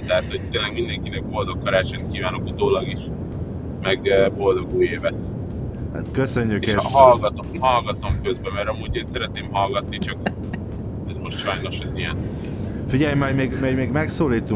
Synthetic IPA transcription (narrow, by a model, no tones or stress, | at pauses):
t̪ɛɦat̪ho̞c̚t̪eːnlɛɡmind̪ɛŋkinɛɡ̚bo̞ld̪o̞kkːɒɾaːt͡ʃɛnt̪̚kiːvaːnokut̪oːlɒɡiʃ | mɛɡbo̞ld̪o̞ɡuːjeːvɛt̪ | ha̰t̪køsøɲːykeʃeɦɒlɡɒt̪omɦɒlɡɒt̪o̞mkøzbɛmɛɾɒmuːɟeːnsɛɾɛt̪neːmɦɒlɡɒt̪nit͡ʃɒk | ɛzmo̞ʃt̪ʃɒjno̞ʃɛzijɛ̰n | fiɟɛjmɛmeːɡmɛɟmeːɡmɛksoːliːt̪ːu